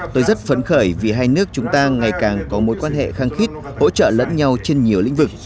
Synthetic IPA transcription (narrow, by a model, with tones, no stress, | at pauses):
t̪o˧jzə˦˥t̚fə˨˦nxəː˧˩jvi˨˩ɦaː˧jnɨ˦˥ək̚t͡ɕʊ˨˦ŋ͡mt̪aː˧ŋa˨˩jkaː˨˩ŋkɔ˨˦mo˨˦t̚kwaː˧nɦḛ˧˨xaː˧ŋxi˦˥t̚ | ho̰˧˥t͡ɕə̰ː˧˨lə̰˧˥nɲa˧wt͡ɕe˧nɲi˨˩əwlḭ̈˧˥ŋ̟vɨ˨˩k̚